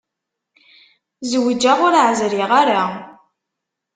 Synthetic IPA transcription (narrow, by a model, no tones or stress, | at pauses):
zwəd͡ʒaʁʊɾʕzɾiʁaɾa